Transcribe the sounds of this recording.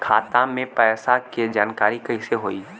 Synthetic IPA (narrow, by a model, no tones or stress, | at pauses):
kʰaːt̪ãmẽpɛːsaked͡ʒaːnkaːɾikɐɪseɦoːiː